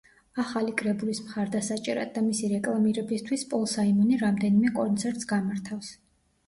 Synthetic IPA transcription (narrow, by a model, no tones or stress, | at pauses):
aχalikʼɾɛbulismχaɾd̪asat͡ʃʼɛɾa̰d̪ːamisiɾɛkʼlˠamiɾɛbist̪ʰwispʼɔlˠsaimɔniɾamd̪ɛnimɛkʼɔnt̪sʰɛɾt̪ʼsɡamaɾt̪ʰafs